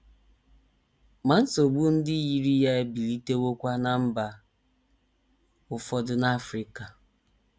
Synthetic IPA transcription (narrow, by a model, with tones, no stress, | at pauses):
ma˨n̩˦so˨ɡ͡bu˦n̩˦dɪ˦ji˦ɾi˦ja˦e˦bi˨li˦te˦wo˦kʷa˦na˨m̩˦ba˨ | ʊ˦fɔ˦dʊ˦na˦fɾi˨ka˨